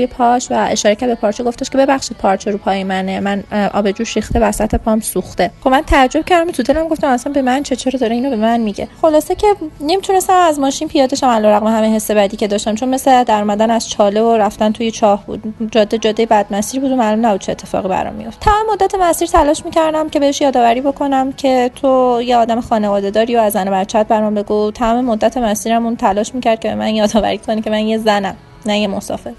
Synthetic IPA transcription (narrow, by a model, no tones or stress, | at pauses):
ujepʰɒʃvæʔḛʃɒːɾecʰæɾd̪̚bepʰɒːɾt͡ʃʰeɡoft̪eʃcʰe̞be̞bæχʃid̪̚pʰɒɾt͡ʃʰeɾupʰɒːjemænemænʔɒ̰ːbe̞d͡ʒuːʃixt̪ebæɾsæt̪ʰhe̞pʰɒmsuxt̪e̞xobmænt̪ʰææd͡ʒːo̞b̥̚cʰæɾd̪æmot̪ʰut̪ʰelæmɡo̞ft̪æmæsænbe̞mænt͡ʃʰet͡ʃʰeɾɔd̪ɒɾeiːnobe̞mænmiɟe̞̰χo̞lɒːsecʲʰe̞ne̞mit̪ʰune̞st̪æmæzmɒːʃinpʰijɒːd̪eʃæmælɒːɾæɣmeɦæmeɦe̞sːe̞bæd̪iːcʰe̞d̪ɒːʃt̪æmt͡ʃʰo̞nme̞sed̪æɾuːmæd̪ænæz̥t͡ʃʰɒlevoɾæft̪ænt̪ʰujet͡ʃʰɒːhbṵːd̪̥d͡ʒɒːd̪ːed͡ʒɒːd̪ːejebæd̪mæsiːɾibuːd̪omælumnæbud̪̚t͡ʃʰeːt̪ʰːe̞fɒ̰ːɣibæ̰ɾɒ̰mːḭjo̞ft̪ʰːæmɒːmemod̪ːæt̪ʰe̞mæsiːɾt̪ʰælɒːʃmicʰæɾd̪æmce̞beheʃjɒːd̪ɒːvæɾiːbo̞kʰo̞næmcʰe̞t̪ʰojeɒːd̪æmexɒːnevɒːd̪e̞d̪ɒːɾioæzːænobæɾt͡ʃʰæt̪̚bæɾɒmbe̞ɡut̪ʰæmɒmemod̪ːæt̪ʰe̞mæsiːɾæmunt̪ʰælɒːʃmiːcæɾd̪̚cʰebe̞mænjɒːd̪ɒːvæ̰ɾiːkʰonicʰe̞mænjezænæm | næjemosɒ̰ːfe̞ɾ